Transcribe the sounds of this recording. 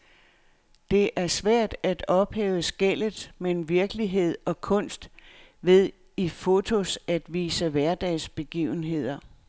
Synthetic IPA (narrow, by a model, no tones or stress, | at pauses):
d̥e̝ʔæɐsʋæɐ̰d̥æd̥ɒ̽b̥hɛːʊəsɡ̥el̰ð̩ˠmenʋiɐɡ̥əliɦe̝ð̞̰ˠɒ̽kʰɔ̽n̰sd̥ | ʋe̝ðˠ | ifo̝t͡sʰo̝sæd̥ʋiːsəʋæɐd̥ɛːsb̥e̝ɡ̥ḭːʊn̩ɦe̝ð̞̰ˠɐ